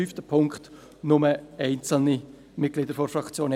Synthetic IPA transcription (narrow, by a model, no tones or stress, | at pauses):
yftəpʰʊŋkt | nʊməɛɪnt͡sl̩ni | mɪt̚ɡ̥lɪdəɾfɔɾfrɑkt͡sjoːn